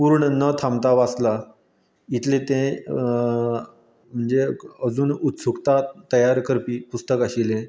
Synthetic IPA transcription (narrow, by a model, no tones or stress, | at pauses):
puɾɳnət̪ʰamt̪aʋasla | it̪ʰlet̪ẽ | m̤əɳd͡zeəd͡zuːnut̪sukt̪at̪əjaɾkəɾpiːpust̪əkaɕilẽ